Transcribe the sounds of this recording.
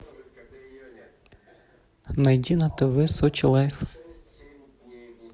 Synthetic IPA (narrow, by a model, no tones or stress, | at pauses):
nɐjdʲinɐt̪ɪʋɪsɔt͡ʃlˠɛf